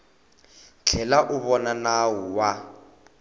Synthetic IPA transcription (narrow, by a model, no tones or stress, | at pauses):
t͡ɬʰɛlaʔʊβɔnanawʊwa